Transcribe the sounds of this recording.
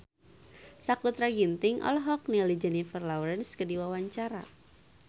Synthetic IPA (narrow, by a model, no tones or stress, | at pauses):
sakut̪ɾaɡint̪ɪŋʔɔ̰lɔɦɔk̚nilid͡ʒənifərlauɾɛnskədiwawaɲt͡ʃaɾa̰